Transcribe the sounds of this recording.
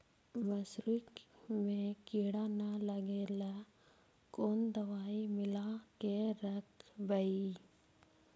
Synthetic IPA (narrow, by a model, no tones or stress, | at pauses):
ʋəsɾɪkmẽkiɽanaləɡeːla | koːnd̪əʋaːimɪlakeɾəkbəi